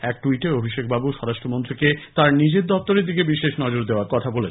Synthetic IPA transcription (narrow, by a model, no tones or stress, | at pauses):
ɛk̚ʈuiʈeobʱiʃek̚babuʃɔɾaʃʈɾomont̪ɾiket̪aɾnid͡ʑeɾd̪ɔpt̪oɾed̪ikebiʃeʃnɔd͡ʑoɾd̪eoaɾkɔt̪ʰabole